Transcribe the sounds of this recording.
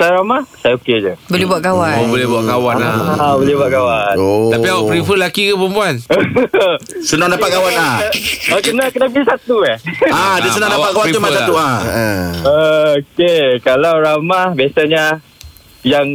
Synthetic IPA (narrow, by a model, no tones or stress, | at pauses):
sajaɾamahsajaoked͡ʒəbolebuaʔkawabolɛɦbuaʔkawanabolɛbuaʔɡawant̪apiawapɾifəlakikapəmpuan | sunadapat̚kawanaokənakənabisat̪uaadəsunadaaɡawapit̪umasat̪ua | əokekalawɾamahbiasaɲa | jaŋ